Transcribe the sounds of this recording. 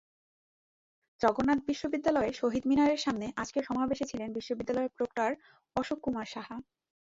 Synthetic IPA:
d͡ʑɔɡonːat̪̚biʃːobid̪ːalɔeʃoɦid̪minaɾeɾʃamneʔad͡ʑkeɾʃɔmabeʃet͡ɕʰilenbiʃːobid̪ːalɔepɾokʈaɾ | ɔʃokːumaɾʃaɦa

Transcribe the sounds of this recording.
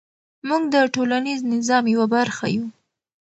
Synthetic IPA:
muɡd̪əʈolaniznɪzɑmjawabaɾxa̰ju

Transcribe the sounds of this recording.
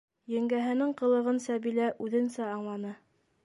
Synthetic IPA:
jɘ̆ŋɡæɦɘ̆nɘŋqɤ̆lˠɤ̆ʁɤnsæbilæʔʉðɘ̆nsæɑɴlˠɑnɤ

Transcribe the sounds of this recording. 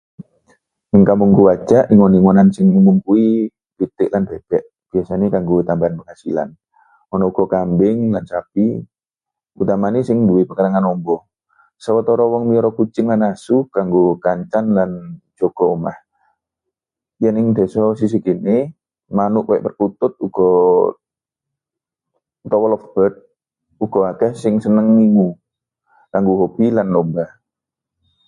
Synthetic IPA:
nɛŋkamuŋɡuwad͡ʒaʔniŋɔniŋɔnansɪŋimumpui | b̥it̪ɪʔlandɛb̥ɛʔ | b̥iasanekaŋɡut̪ambaanbəŋasila̰n | ɔnɔuɡ̥ɔkambɪŋlansapi | ut̪amanisɪŋduipəkaɾaŋanɔmbɔ | sawɔt̪ɔɾɔwɔŋmiɾɔkut͡ʃɪŋlanasukaŋɡokaɲt͡ʃandand͡ʒ̥oɡ̥ɔmah | janɪŋd̪̥e̤sɔsis̬iɡ̥inɪ | manʊʔkaɛʔpərkut̪ʊt̪̚uɡ̥ɔ | t̪ɔwɔlɔfb̥ət̪̚ | uɡ̥ɔaɡ̥ɛhsɪŋsənəŋmiŋu | kaŋɡuɦob̥ilanːɔmbah

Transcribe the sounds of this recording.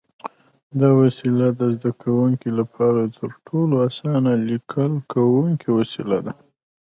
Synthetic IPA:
d̪ɑwasilad̪əzd̪akʰawuŋkilapʰɑɾat̪ʰəɾʈʰoloasɑnalikʰəlkʰawuŋkʰiwasilad̪a

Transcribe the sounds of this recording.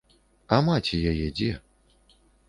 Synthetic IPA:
amat͡sʲɛjajɛd͡zʲɛ

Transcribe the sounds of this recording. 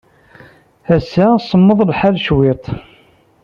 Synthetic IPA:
æsæsˤːəmːəðˤlħalʃwɪt̪ˤ

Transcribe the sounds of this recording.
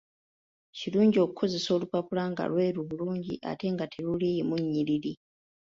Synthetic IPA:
ciluːɲɟio̞ku̥kʰo̞ze̞so̞ːlupapulaŋɡa̰lweːɾuβuluːɲɟḭʔa̰teːŋɡatʰilulimuɲːilili

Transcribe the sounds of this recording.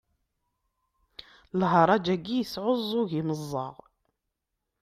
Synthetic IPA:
lɦɑɾˤɑd͡ʒæɡːijəsʕozˤːoɣiməzˤːɑ̰ʁ

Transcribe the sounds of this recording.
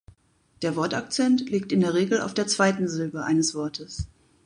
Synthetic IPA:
d̥eːɐvɔɐtak̚t͡sɛntliːk̚tɪndeːɐʁ̞eːɡl̩a̰ʊfd̥eːɐt͡sv̥aɪtn̩zʏlbəʔa̰ɪnəsv̥ɔɐtʰəs

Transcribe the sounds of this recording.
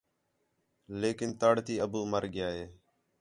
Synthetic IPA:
leːkɪnt̪aːɽt̪iːəbuːməɾɡɪjaːɦeː

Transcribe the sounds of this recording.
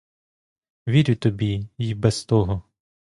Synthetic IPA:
ʋʲiɾʲʊt̪ɔbʲijibɛst̪ɔɦɔ

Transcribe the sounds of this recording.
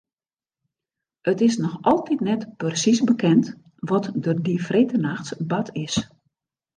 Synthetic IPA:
ətɪsnɔxʔɔlˠtitnɛtpərsisbəkɛnt | ʋɔtdərdifreːtənaxtsbatʰɪs

